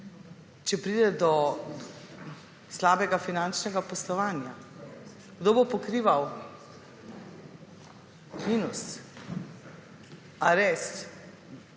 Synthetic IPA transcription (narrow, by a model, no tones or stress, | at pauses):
t͡ʃɛpɾiːd̪ɛd̪ɔ | slaːbɛɡafinant͡ʃnɛɡapɔslɔʋaːnja | ɡ̥d̪oːbopɔkɾiːʋaw | minus | aɾɛst̪